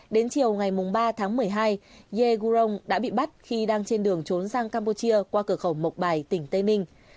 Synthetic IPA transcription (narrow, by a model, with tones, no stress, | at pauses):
ɗe˨˦nt͡ɕi˨˩əwŋa˨˩jmʊ˨˩ŋ͡mɓaː˧t̪ʰaː˨˦ŋmɨ˨˩əjɦaː˧jɣe˧ɣu˧zə˧wŋ͡mɗa̰ː˧˥ɓḭ˧˨ɓa˦˥t̚xi˧ɗaː˧ŋt͡ɕe˧nɗɨ˨˩əŋt͡ɕo˨˦nsaː˧ŋkaː˧mpu˧t͡ɕi˧əkwaː˧kɨ˧˩əxə˧˩wmə˨˩wk͡p̚ɓaː˨˩jt̪ï˧˩ŋ̟t̪ə˧jnï˧ŋ̟